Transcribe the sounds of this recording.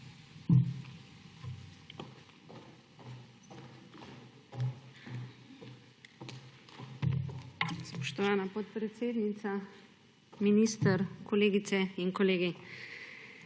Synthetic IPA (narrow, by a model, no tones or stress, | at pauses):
spɔʃt̪ɔʋaːnapɔt̪̚pɾɛt̪seːd̪nit̪sa | minist̪əɾkɔleːɡit̪sɛinkɔleːɡi